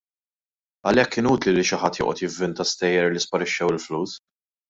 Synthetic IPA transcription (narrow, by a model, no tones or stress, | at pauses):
ɐlɛkːɪːnuːt̪liliʃɪħɐt̪ːjɪ̰ːʔɔt̪jɪvːɪnt̪ɐst̪ɛjːɛɾlispɐɾɪʃːɛwɪlfluːs